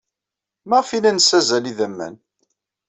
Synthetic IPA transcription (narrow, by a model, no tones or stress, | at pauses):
məʁfilænsæzæliðəmːæ̰n